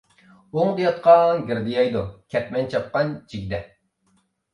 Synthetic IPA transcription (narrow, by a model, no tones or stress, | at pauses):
oŋd̪ɨjɑt̪̚qʰɑŋɡʲiɾd̪ɪjɑjd̪ukʲʰɛt̪mɛnt͡ʃʰɑp̚qɑnt͡ʃʰiɡʲd̪ɛ